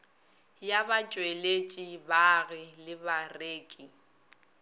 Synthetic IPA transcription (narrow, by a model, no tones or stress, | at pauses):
jabat͡ʃʼwelet͡ʃʼibaɣɪlɪbareːkʼi